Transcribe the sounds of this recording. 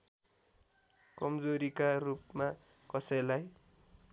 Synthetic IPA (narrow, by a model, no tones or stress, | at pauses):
kʌmd͡zoɾikarupma | kʌsʌjlaj